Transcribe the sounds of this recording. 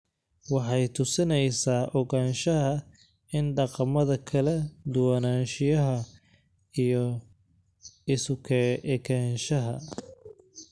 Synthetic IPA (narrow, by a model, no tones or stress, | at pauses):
wɑħɑjt̪ʰʊsɪnɛjsaːʔɔɣaːnʃɐɦɐ | ɪnɖɑqɑmɐðɐkʰɐlɛd̪ʊwɑnaːnʃɪjɐɦɐ | ijɔ | ɪsʊkʰɛɛkʰɛːnʃɐɦɐ